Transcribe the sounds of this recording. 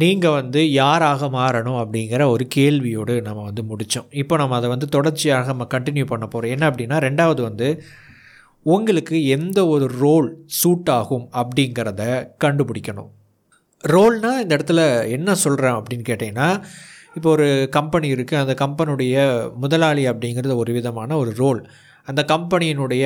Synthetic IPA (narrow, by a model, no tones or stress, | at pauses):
niːŋɡɐʋɐnd̪ɯjaːɾaːɣɐmaːɾɐɳʊ̃mɐpːɐɽɪŋɡɐɾɐɔɾɯkeːɭʋɪjoːɽɯnɐmːɐʋɐnd̪ɯmʊɽɪt͡ʃːʊ̰̃ɪpːoːnɐmːɐːðɐʋɐnd̪ɯt̪ɔɽɐɾt͡ʃːɪjaːɣɐnɐmːɐkɐɳʈɪnjupɐɳːɐpːoːɾõːɛnːɐɐp̬ːɐɽɪnːaːɾɛɳɖaːʋɐðɯʋɐnd̪ɯ | ʊŋɡɐɭɯkːɯɛnd̪ɐɔɾɯɾoːlsuːʈːaːɣɯmɐpːɐɽɪŋɡɐɾɐðɐkɐɳɖɯpɪɽɪkʲːɐɳʊ̰̃m | ɾoːlnãːɪnd̪ɐɛɽɐt̪ːɯlɐɛnːɐsɔlɾãːɐpːɐɽɪnːkeːʈːẽŋɐnːaː | ɪpːoɔɾɯkɐmpɐniɪɾɯkːɯɐnd̪ɐkɐmpɐnɯɽɐjɐmʊðɐlaːlɪɐpːɐɽɪŋɡɪɾɐðɐɔɾɯʋɪðɐmaːnɐɔɾɯɾoːl | ɐnd̪ɐkɐmpɐnɪjɪnɯɽɐjɐ